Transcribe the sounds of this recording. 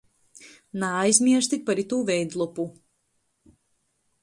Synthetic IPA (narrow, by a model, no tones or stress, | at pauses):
najzmʲiɛɾʃt̪ipaɾit̪uːvɛjd̪lˠupu